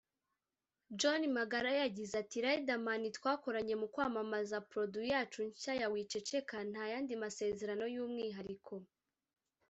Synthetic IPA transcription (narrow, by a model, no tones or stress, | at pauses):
d͡ʒonimaɡaɾajaɟizatiɾaidamanitwaːko̞ɾaɲe̞mukwaːmamazapɾo̞dujaːt͡ʃuɲcajawiːt͡ʃe̞t͡ʃe̞kan̥hajaːndimase̞ːze̞ɾano̞juːmŋiːɦaɾikʰo̞